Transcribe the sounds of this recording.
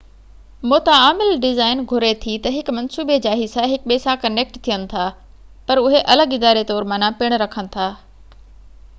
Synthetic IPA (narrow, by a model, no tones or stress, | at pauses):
moːt̪aaːmɪlɖɪzaːɪnɡʱʊɾet̪ʰit̪ɐɦɪkmɐnsuːbed͡ʑaːɦɪsãɦɪkɓeːsakɐneːk̚ʈt̪ʰijənɪ̆t̪ʰaː | pɐɾʊɦeʔɐləɡɪd̪aːɾet̪ɔːɾmãːnãpɪɽ̃ɾɐkʰənɪ̆t̪ʰaː